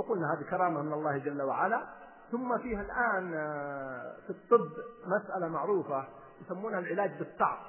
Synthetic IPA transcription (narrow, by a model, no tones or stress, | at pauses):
aquːlnaɦaːd̪ikɑɾˤɑːmamɪnɑlˤːɑːhd͡ʒalːawaʕala | θʊmːafiːhalʔaːn | t̪ɨt̪t̪ˤːɨbːmasʔalamaʕɾuːfa | wjsamːuːnhalʕɪlaːd͡ʒbɨt̪ˤːɑʕb̚